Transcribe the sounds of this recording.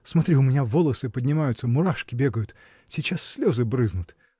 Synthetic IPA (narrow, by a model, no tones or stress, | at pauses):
smɐt̪ɾʲiʊmʲɪnʲavolˠəsɨpədʲnʲɪmajʊt̪səmʊɾaʂkʲɪbʲe̞ɡəjʊt̪ | sʲɪt͡ɕasːʲlʲo̞zɨbɾɨznʊt̪